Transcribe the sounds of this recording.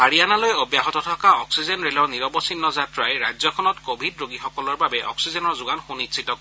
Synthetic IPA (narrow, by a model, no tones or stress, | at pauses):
baɹianalojɔbjaɦɔtɔtʰɔkaɔksizɛnɹelɔɹniɹɔbɔsinːɔzatɹajɹajzɔkʰɔnɔtkobʱidɹoɡixɔkɔlɔɹbabɛʔɔ̰ksizɛnɔɹzʊɡanxunisʰitɔk